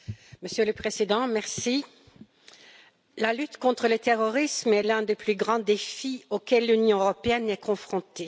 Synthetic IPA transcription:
məsjøləpχezid̪ɑ̃mɛʁsi | lalyt̪kɔ̃t̪χələt̪eʁɔʁismɛlɛ̃d̪eplyɡʁɑ̃d̪efiokɛlːynjɔ̃øʁɔpeɛnɛkɔ̃fχɔ̃t̪e

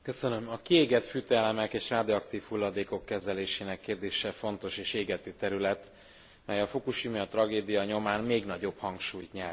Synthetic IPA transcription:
kø̞sønø̞mɒkieːɡɛt̪fyt̪ːlɛmɛkeːʃraːd̪iɒk̚t̪iːfhulːɒd̪eːko̞kːɛzɛleːʃeːnɛkːeːrd̪eːʃɛfo̞n̪t̪o̞ʃeːʃeːɡɛt̪yːt̪ɛɾylɛt̪ | mɛjɒfokuʃimjɒt̪rɒɡeːd̪ijɒɲo̞maːnmeːɡnɒɟo̞bhɒŋkʃuːjt̪ɲɛrt̪

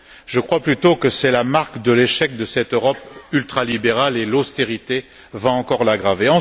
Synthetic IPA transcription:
ʒ̥əkχwaplyt̪okəsɛlamaʁkd̪əleʃɛk̚d̪əsɛt̪øʁɔpylt̪χalibeʁalelost̪eʁit̪e | vãɑ̃kɔʁlaɡʁaveɑ̃

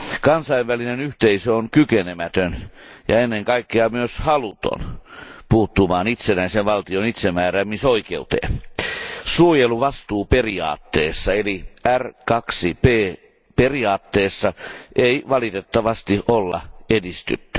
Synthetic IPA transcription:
kɑnsɑiʋʋælinenyht̪eisøonkykenemæt̪øn | jɑenːeŋkɑikːeɑmyøshɑlut̪o̰npuːt̪ːumɑːnit̪senæiseʋʋɑlt̪ionit̪semæːɾæmmisoikeut̪ḛ | suojeluʋɑst̪uːperiɑ̰ːt̪ːeːsːɑeliærkɑksipeː | periɑːt̪ːeːsːɑʔeiʋɑlit̪et̪ːɑʋɑst̪iʔolːɑ̰edist̪y̰t̪ːy

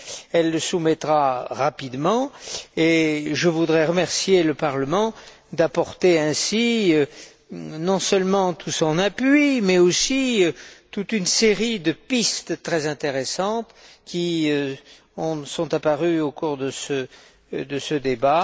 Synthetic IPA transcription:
ɛlːəsumɛt̪χaʁapid̪mɑ̃eʒəvud̪ʁɛʁəmɛʁsjeləpaʁləmɑ̃ | d̪apɔʁt̪eɛ̃si | nɔ̃sœlmɑ̃t̪ʰusɔ̃napɥimɛosit̪ut̪ynseʁid̪əpist̪t̪χɛzɛ̃t̪eʁesɑ̃t̪ | kʲi | ɔ̃sɔ̃t̪apaʁyokuʁd̪əsə | d̪əsəd̪eba

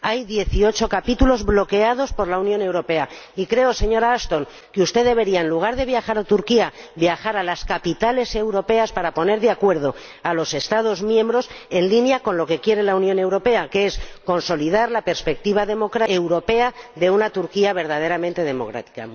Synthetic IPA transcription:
ajðje̞θio̞t͡ʃo̞kapit̪ulo̞zβlo̞ke̞að̞o̞spo̞ɾlaunjo̞ne̞wɾo̞pe̞aikɾe̞o̞se̞ɲo̞ɾaast̪o̞ŋ | keust̪e̞ðe̞βe̞ɾiaenluɣ̞aɾðe̞β̞jaxaɾat̪uɾkiaβjaxaɾalaskapit̪ale̞se̞wɾo̞pe̞aspaɾapo̞ne̞ɾðeakwe̞ɾð̞o̞ | alo̞se̞st̪að̞o̞zmjẽ̞mbɾo̞se̞nlinjako̞nlo̞ke̞kje̞ɾe̞launjõ̞ne̞wɾo̞pe̞akeesko̞nso̞lið̞aɾlape̞ɾspe̞k̚t̪iβ̞aðe̞mo̞kɾaewɾo̞pe̞aðe̞unat̪uɾkiaβ̞e̞ɾð̞að̞e̞ɾamẽnt̪e̞ðe̞mo̞̰kɾa̰t̪i̥ka̰

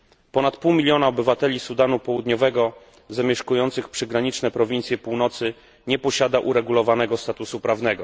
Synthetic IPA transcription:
pɔnat̪puwmʲilʲjɔnaɔbɘvat̪ɛlʲisud̪anupɔwud̪ɲɔvɛɡɔ | zamʲjɛʂkujɔnt̪sɘxpʂɘɡɾaɲit͡ʂnɛpɾɔvʲint̪sʲjɛpuwnɔt̪sɘ | ɲɛpɔɕad̪aʔuɾɛɡulɔvanɛɡɔst̪at̪usupɾavnɛɡɔ

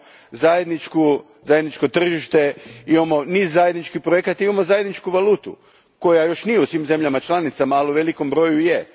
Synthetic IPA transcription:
zajed̪nit͡ʃku | zajed̪nit͡ʃko̞t̪r̩ʒiʃt̪eimamo̞niːzːaje̞d̪nit͡ʃkipɾoje̞kat̪imamo̞zaje̞d̪nit͡ʃkuʋaluːt̪ṵ | ko̞jajo̞ʃnijeusʋimze̞mʎamat͡ʃlˠanit̪samaːliuʋe̞liko̞mbɾo̞juje

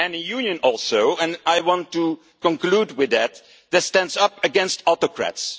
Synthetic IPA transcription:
ɛ̃nəjunjɨ̃nɔlˠsoʊɛ̃najwɑ̃ntu | kɔ̃nkludwɪðæt̚ | ðɨtstæ̃ndzʌpɨɡɛ̃nstɔtokɹæ̰ts

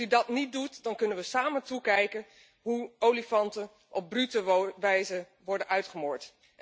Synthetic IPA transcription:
ydɑtnit̚dutdɑnkɵnənʋəsaːmətukɛjkən | ɦuowlifɑntən | ʔɔb̚brytəʋɛjzə | ʋɔɹdənʔœɥtχəmʊːɹt

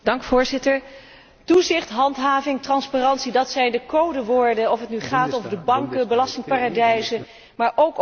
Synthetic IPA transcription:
d̥ɑŋkfʊːɹzɪtəɹ | tuzɪχtɦɑntɦaːvɪŋtrɑnspaːrɑntsidɑtsɛjndəkowdəʋʊːɹdəɔfətnyχaːtowvəɹdəbɑŋkəbəlɑstɪŋpaːradɛjzə | maːɹʔowk

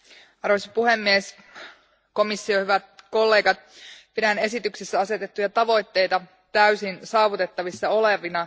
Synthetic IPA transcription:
ɑrʋosɑpuhe̞mːies | ko̞misːio̞hyʋæt̪̚ko̞lːe̞ːɡɑt̪̚pidæne̞sit̪yksesːæɑse̞t̪et̪ːujɑt̪ɑʋo̞jt̪ːe̞jt̪ɑ | t̪æysinsɑːʋut̪e̞t̪ːɑʋisːɑo̞le̞ʋinɑ

